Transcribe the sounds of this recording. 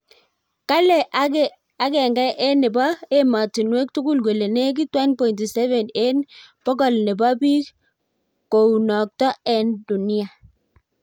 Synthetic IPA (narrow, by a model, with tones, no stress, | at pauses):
ka˦lɛ˨ | a˦ɡɛ˨ŋɡa˦ʔɛ˦nɛ˨ba˦e˦ma˨ti˨nwe˦k̚tu˦ɡu˦lɡwe˨le˨ne˦k̬i˦twɛ˦npɔ˨i˨nti˨sɛ˦vɛ˨ne˦nb̥ɔ˦ɡɔ˨lnɛ˨ba˦bi˦k | ko˨wnɔ˨k̚tɔ˦ɛ˨ndu˨ni˦a˨